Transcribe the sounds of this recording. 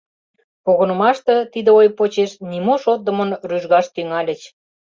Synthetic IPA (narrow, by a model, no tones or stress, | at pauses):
koɣə̆nə̆mɑʃt̪ə̆t̪id̪əojpot͡ɕeʃnimoʃot̪̚d̪ə̆mənryʒɣɑʃt̪yŋɑlʲə̆t͡ɕ